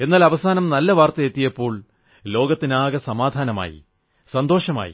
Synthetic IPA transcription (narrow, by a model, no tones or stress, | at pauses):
e̞nːaːlɐʋɐsaːnɐmnɐlːɐʋaːrt̪ɐet̪ːijɐpːo̞ːɭ | lo̞ːɡɐt̪ːinaːɣɐsɐmaːd̪ʱaːnɐma̰ːjḭ | sɐnd̪o̞ːʂɐma̰ːjḭ